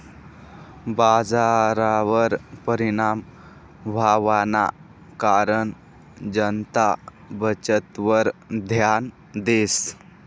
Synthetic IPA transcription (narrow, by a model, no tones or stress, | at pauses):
bad͡zaɾaʋəɾpəɾiɳam | ʋʱaʋana̰ | kaɾəɳ | d͡ʒənt̪a | bət͡ʃət̪ʋəɾd̪ʱjan | d̪es